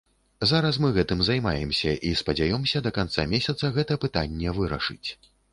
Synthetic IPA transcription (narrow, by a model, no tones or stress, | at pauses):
zaɾɐs̬mɨɣɛt̪ɨmzajmajɛmsʲɐʔispɐd͡zʲajɔmsʲɐd̪ɐkant̪sa̰mʲesʲɐt̪sɐɣɛt̪ɐpɨt̪anʲːɛvɨɾɐ̰ʂɨ̰t͡sʲ